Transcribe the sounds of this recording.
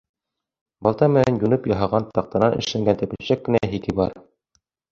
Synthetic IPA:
bɑlˠt̪ɑmɘ̆nænjunɤpjɑɦɑʁɑnt̪ɑq̚t̪ɑnɑnɘ̆ʃlæŋɡænt̪æ̆pɘ̆ɕækːɘ̆næɦikɘbɑɾ

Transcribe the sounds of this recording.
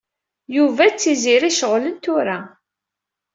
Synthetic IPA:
juvæt͡sːiziɾiʃəʁlənt̪ʊɾa

